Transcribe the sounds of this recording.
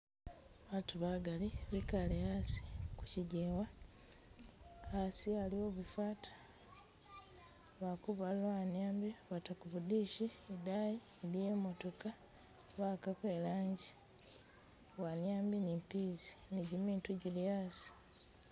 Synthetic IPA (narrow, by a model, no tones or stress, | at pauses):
βaːtuβaɡaliβikalehasi̥ku̥ciɟewa | asialio̞βufaːtʰḁ | βakuβalanjaːmbiβatakuβudiʃiedajiːlijemo̞to̞ka | βakakweːlaːɲɟi | wanjaːmbinimpiziniɟimiːntuɟilijaːsi̥